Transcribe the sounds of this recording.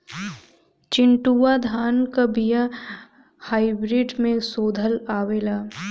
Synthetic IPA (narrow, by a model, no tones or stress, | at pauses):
t͡ʃɪɳʈuʋad̪ʱaːnkabija | haːɪbɾiːɖmẽsoːd̪ʱəlaːʋeːlaː